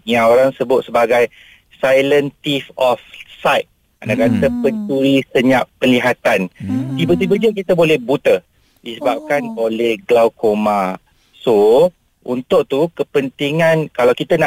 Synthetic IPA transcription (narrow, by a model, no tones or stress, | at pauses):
jaŋoɾaŋsəbʊt̪̚səbaɡaj | sajlənt̪ifɔfsajt̪̚ | anakat̪əpəɲt͡ʃuɾisəɲaʔpənliɦat̪ant̪ibət̪̬ibəd͡ʒəkit̪əbolɛhbut̪ə | disəbap̚kanolɛhɡlawkoma | so | unt̪ʊʔ̚t̪ukəpənt̪iŋãnkalawkit̪anaʔ